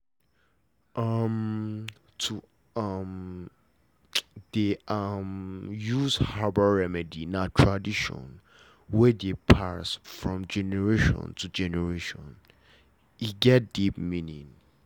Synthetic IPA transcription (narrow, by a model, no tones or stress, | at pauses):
ʔam | tʰu | am | deamjuzhabəɹɛmɛdinatʰɹadiʃɔ̰̃n | wɛdepʰasfɹɔ̃md͡ʒɛnɛɹeʃɔ̰̃ntʰud͡ʒɛnɛɹeʃɔ̰̃n | iɡɛt̚d̥ipmĩnĩŋ